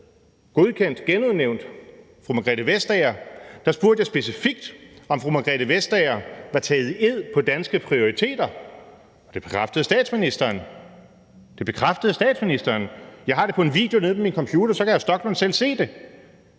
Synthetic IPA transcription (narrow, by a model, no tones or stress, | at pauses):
ɡ̥o̝ð̞ˠkʰen̰d̥ɡ̥enuðˠneʊnd̥ | fʁumæɡ̥ʁɛd̥əʋesd̥ɛɐd̥ɑ̈sb̥uɐd̥jɑsb̥e̝sifiɡ̥̚d̥ɒ̽mfʁumæɡ̥ʁɛɾ̥əʋesd̥ɛɪɐʋɑ̈t͡sʰɛːð̩ˠe̝ð̰ˠpʰɒ̽d̥ænsɡ̥əpʰʁio̝ʁit͡sʰe̝̰ːd̥ɐ | ɒ̽d̥e̝b̥e̝̥kʰʁafd̥əð̩ˠsd̥ɛ̰ːd̥sminisd̥ɐːn | d̥e̝b̥e̝kʰʁafd̥əð̞̩ˠsd̥ɛ̰ːd̥sminisd̥ɐːnjɑ̈ɪɦɑ̈ɾ̥e̝pʰɒ̽e̝nʋḭːd̥jo̝ne̝ðˠmeminkʰɒ̽mpʰjuːd̥ɐsɒ̽kʰæjasd̥ɒ̽ɡ̥lɔnsel̰se̝̰ːd̥e̝